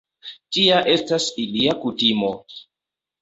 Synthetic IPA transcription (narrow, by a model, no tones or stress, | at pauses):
tiaʔe̞stasiliakutimo̞